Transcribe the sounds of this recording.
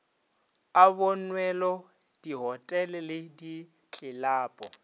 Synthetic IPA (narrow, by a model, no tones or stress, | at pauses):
abʊnwɛlɔ | d̥iɦɔtʼɛlɪlɪdi | t͡ɬʼɪlaːpʼɔ